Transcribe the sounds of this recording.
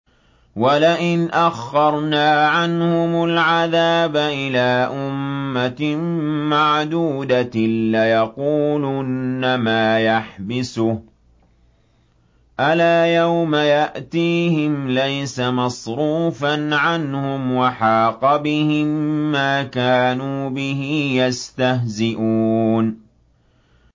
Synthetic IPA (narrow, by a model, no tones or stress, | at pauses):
walaʔɪnʔaxːɑɾˤnaːʕanhʊmʊlʕaðaːbaʔɪlaːʔʊmːa | maʕd̪uːd̪alajɑquːlʊnːamaːjaħbɪsʊh | ʔalaːjawmajaʔt̪iːhɪmlajsamɑsɾuːfanʕanhʊmwɑħɑːqɑbɪhɪmːaːkaːnuːbɪhɪjast̪aɦzɪʔuːn